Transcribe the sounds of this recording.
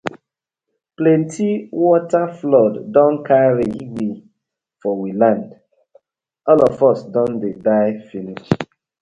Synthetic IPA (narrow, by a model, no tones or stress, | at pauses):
plɛ̃ntʰiwɔtaflɔdːɔ̃nkʰaɹiiɡi | fɔwilãnd | ɔlɔvɔsdɔ̃ndedaɪfinist